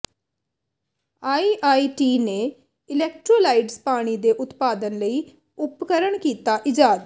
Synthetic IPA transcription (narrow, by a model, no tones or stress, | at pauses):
aːiːʔaːiːʈiːneː | ɪlɛːk̚ʈɾoːlaːiɖzpaːɽ̃iːd̪eːʔʊt̪paːd̪ənləiː | ʊpkəɾəɳkiːt̪aːʔɪd͡ʒaːd̪